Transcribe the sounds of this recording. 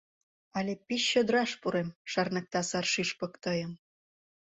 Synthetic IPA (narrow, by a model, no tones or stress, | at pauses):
ɑlʲepiɕːød̪ɾɑʃpuɾemʃɑrnɑk̚t̪ɑsɑrʃiʃpɤ̆kt̪ɤ̆jə̆m